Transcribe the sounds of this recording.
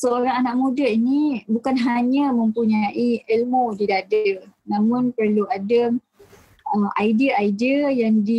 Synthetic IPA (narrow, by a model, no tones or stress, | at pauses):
səoɾaŋanaʔmũdəinibukanɦaɲə̃mə̃mpuɲaʔiilmodidadanãmʊ̃npərluadə | əajdiəaidiəjaŋdi